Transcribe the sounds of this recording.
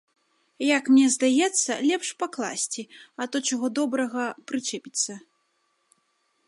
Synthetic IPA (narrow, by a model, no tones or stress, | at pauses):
jɐkmnʲɛzd̪ajɛt̪sːɐ̰lʲɛpʂpaklˠa̰sʲt͡sʲiɐt̪ɔt͡ʂaɣɔd̪ɔbɾɐɣɐpɾɨt͡ʂɛpʲit̪sɐ